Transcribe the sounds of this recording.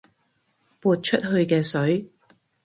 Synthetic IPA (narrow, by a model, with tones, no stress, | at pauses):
puː˨t̚t͡ʃʰɵ˥t̚ɦɵ˧ɥkɛː˧sɵ˨˥ɥ